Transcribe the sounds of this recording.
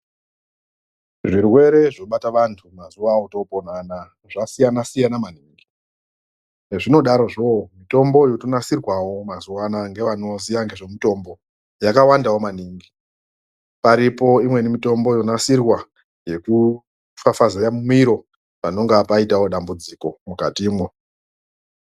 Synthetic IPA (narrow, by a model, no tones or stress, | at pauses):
ʐirwe̞ɾe̞ʐo̞ɓataʋantʰumazuʋawoto̞ponana | ʐasijanasijanamaniːŋɡi | neʐino̞ɗaɾo̞ʐomito̞mbojotonasirwawo̞mazuwanaŋɡe̞ʋano̞ziaŋɡe̞ʐo̞mito̞mbo̞ | jakawandawomaniːŋɡi | paɾipo̞imwe̞nimito̞mbo̞jo̞nasirwa | je̞ku | fafazejamumiɾo̞ | pano̞ŋɡapaitawo̞ɗambud͡ziko̞mukatiːmwe